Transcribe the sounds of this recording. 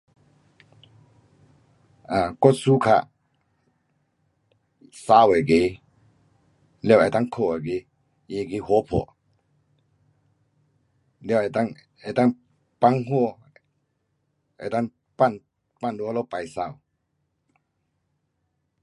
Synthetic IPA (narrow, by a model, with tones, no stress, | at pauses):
a˨kɔ˦˥˨su˦kʰa̰˧˨ʔ | sa˧˦˨we˨ke˨˧˦ | lɛ˧˨ɛ˨t̪a˦˥˨ŋkʰo˧˨e˨ɡe˧˦ | je˧˨ɡi˧˦hɔ˧˦pʰɔ̰˧˨ | lɛ˧˨ɛ˨t̪a˥˨ŋ | ɛ˨t̪a˦˥˨ŋ | pa˧˥ŋɦɔ˥˧˨ | ɛ̰˨t̪a˦˥˨ŋ | pa˥˨n | pa˦˥˨ndu˧a˦lɔ˦˧˨pa˨jsa˧˨w